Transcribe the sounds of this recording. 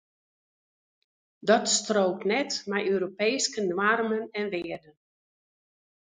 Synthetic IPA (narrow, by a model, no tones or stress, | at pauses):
dɔtstroːk̚tnɛtmɛjʔøːɾopeːskənwarmənɛnʋɪərdən